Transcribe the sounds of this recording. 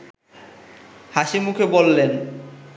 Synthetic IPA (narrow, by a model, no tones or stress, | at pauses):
haʃimukʰebolːen